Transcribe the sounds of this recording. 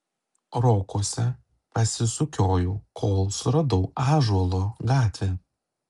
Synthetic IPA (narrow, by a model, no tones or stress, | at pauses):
ɾoːkoɔsʲɛ | pɐsʲɪsʊkʲoːjuːkʰoːlˠsʊɾɐd̪ɔʊɑːʒuɔlˠoːɡɑːt̪ʲʋʲe